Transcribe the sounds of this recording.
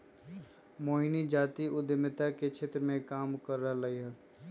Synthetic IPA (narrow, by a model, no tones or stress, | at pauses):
moːɦinid͡ʒaːt̪iʔʊd̪əmɪt̪aket͡ʃʰeːt̪ɾəmẽkaːmkəɾːaləiɦɛ